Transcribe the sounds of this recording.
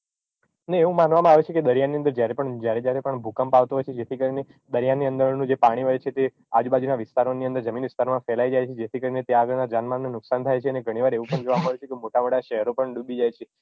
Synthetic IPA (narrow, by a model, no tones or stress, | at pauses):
neeʋũmanʋamãaʋet͡ʃʰeked̪əɾjaniənd̪əɾd͡ʒjaɾepəɳd͡ʒjaɾed͡ʒjaɾepəɳbʱukəmpaʋt̪oɦɔjt͡ʃʰed͡ʒet̪ʰikəɾine | d̪əɾijanːiə̃nd̪əɾnũd͡ʒepaɽ̃iɦəjt͡ʃʰet̪e | ad͡ʒubad͡ʒunaʋɪst̪aɾoniə̃nd̪əɾd͡ʒəminʋɪst̪aɾmãfɛlajd͡ʒajt͡ʃʰed͡ʒet̪ʰikəɾinet̪eaɡəɭnad͡ʒanmanːunʊksant̪ʰajt͡ʃʰeəneɡʱəɽ̃iʋaɾeʋũpəɳd͡ʒoʋamãaʋet͡ʃʰekemoʈamoɽaʃɛɦəɾopəɳɖubid͡ʒajt͡ʃʰe